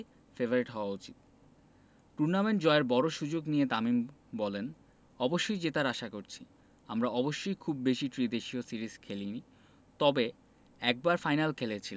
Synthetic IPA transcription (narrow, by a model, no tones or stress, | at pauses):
febʱoɾeʈɦɔoaut͡ɕit̪̚ | ʈuɾnameɳʈd͡ʑɔeɾbɔɾoʃud͡ʑoɡnijet̪amimbɔlen | ɔboʃːojd͡ʑet̪aɾaʃakoɾt͡ɕʰi | amɾaɔboʃːojkʰubbeʃiʈɾid̪eʃiosiɾizkʰelini | t̪ɔbe | ɛk̚baɾfajnalkʰelet͡ɕʰil